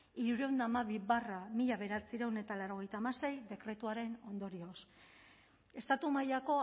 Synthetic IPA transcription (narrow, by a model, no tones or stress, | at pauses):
iɾuɾe̞wnd̪aːmaβ̞iβaramiʎaβ̞e̞ɾat͡siɾewne̞t̪alawɾo̞ɣ̞e̞jt̪aːmase̞jd̪e̞kɾe̞t̪uaɾe̞no̞nd̪o̞ɾio̞s | e̞st̪at̪umajako̞